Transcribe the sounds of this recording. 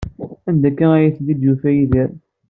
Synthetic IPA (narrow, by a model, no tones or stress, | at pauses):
ænd̪ækːææjæθðid̪jufæjiðəɾ